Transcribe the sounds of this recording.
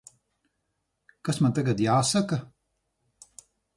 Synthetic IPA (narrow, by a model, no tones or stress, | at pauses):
kasmant̪aɡat̪jaːsakɐ